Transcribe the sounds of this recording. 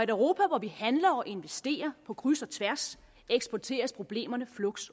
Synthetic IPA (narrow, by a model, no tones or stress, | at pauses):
æɾʊʁo̝ːpʰæʋɒʋihænlɐɒʔe̝nʋesd̥e̝̰ːɐpʰɒ̽kʰʁysɒ̽t͡sʰʋæɐs | eɡ̥sb̥ɒt͡sʰe̝̰ːɐspʰʁo̝b̥le̝̰ːmɐnəflɔɡ̥s